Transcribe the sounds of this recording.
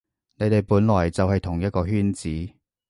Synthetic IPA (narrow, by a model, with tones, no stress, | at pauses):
ne˨˧jt̪e˨jpuː˨˥nlɔː˨˩jt͡sɐ˨whɐ˨jt̪ʰʊ˨˩ŋjɐ˥t̚kɔː˧ɦyː˥nt͡siː˨˥